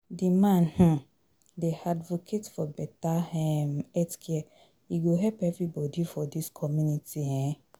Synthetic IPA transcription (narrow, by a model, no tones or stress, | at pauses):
dimãnhũ | deadvokʰetfɔbɛtahɛmɛtkʰɛ | iɡoɦɛpɛvɹibɔdifɔdiskʰɔmjunitiɛ̃